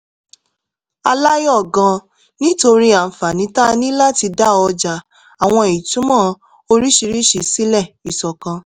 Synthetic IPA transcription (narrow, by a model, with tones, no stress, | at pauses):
a̰˧la˦jɔ˦˨ɡã˧ | nĩ˦to˧ɾi˦a˨fa˨nĩ˨˦ta˦nĩ˦la˦ti˧da˦ɔ˧d͡ʒa˨ | a˨w̃ɔ̃˧i˨tũ˨˦mãː˦˨ | o˧ɾi˦ʃi˧ɾi˦ʃi˨si˦lɛ˦˨i˨sɔ˨kã˧